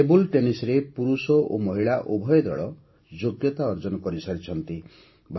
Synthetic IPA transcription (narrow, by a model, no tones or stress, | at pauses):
ebulʈenisɾepuɾusɔʔomɔɦiɭaʔobʱɔjɔd̪ɔ̰ɭɔ | d͡ʒoɡjɔt̪aɔɾd͡ʒɔnɔkɔɾisaɾit͡ʃʰɔnt̪i | bʱ